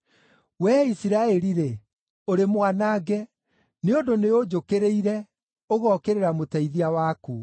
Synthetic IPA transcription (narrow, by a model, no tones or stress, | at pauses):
wɛisiɾaɛɾiɾe | oɾemwanaːɡɛ | neondoneod͡ʒokeɾeiɾɛ | oɣɔkeɾeɾamotɛiðiawaːku